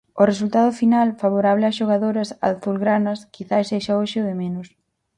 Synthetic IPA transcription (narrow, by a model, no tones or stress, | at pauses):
ʊresult̪aðʊfinalfaβ̞oɾaβlɪaʃoɣ̞aðoɾɐsa̰θulɣɾanɐskiθajseʃaoʃɪoðɪmenʊs